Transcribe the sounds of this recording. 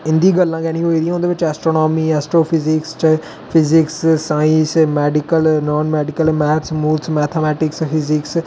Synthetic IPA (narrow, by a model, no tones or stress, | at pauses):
ɪ̃nd̪iːɡəlːãːkɛːñĩɦoːiɾijãõːnd̪eːʋɪt͡ʃɛːsʈɾoːnɔːmiːɛːsʈɾoːpʰɪzɪkst͡ʃ | pʰɪzɪkssaːɪ̃smɛːɖɪkəlnɔːnmɛːɖɪkəlmɛːɾsmuːlsmɛːt̪ʰəmɛːʈɪkspʰɪzɪks